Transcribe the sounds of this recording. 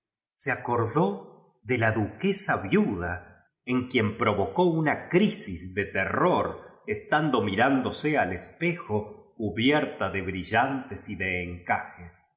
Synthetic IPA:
seako̞ɾðo | ðelaðuke̞saβjuða | eŋkje̞mpɾo̞βo̞ko̞unakɾisizðe̞t̪eroɾest̪and̪o̞miɾand̪o̞sealespe̞xokuβjeɾt̪aðeβɾiʒant̪esiðeːŋkaxes

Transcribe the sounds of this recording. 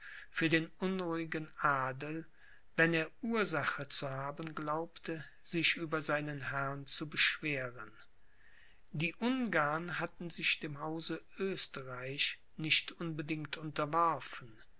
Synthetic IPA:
fyːɐdeːnʔʊnʁuɪɡənʔaːdəl̩ | vɛneːɐʔuːɐzaχət͡suhaːbənɡlaʊptʰə | z̥ɪçʔyːbɐzaɪnənhɛɐnt͡subəʃv̥eːʁən | diːʔʊnɡaɐnɦatn̩zɪçd̥eːmɦaʊzəʔøːstəʁaɪç | nɪçtʔʊnbədɪŋktʰʔʊntɐvɔɐfn̩

